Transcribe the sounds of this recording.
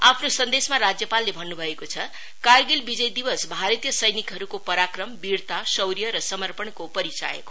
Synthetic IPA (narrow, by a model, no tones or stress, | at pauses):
apʰnosʌnd̪esmaɾad͡zjʌpalːebʱʌnːubʱʌekot͡sʰʌ | karɡilbid͡zʌjd̪ibʌsbʱaɾit̪jʌsʌjnikɦʌɾukopʌɾakrʌmbirt̪asʌwɾijʌɾʌsʌmʌrpʌɳkopʌɾit͡sa̰jḛko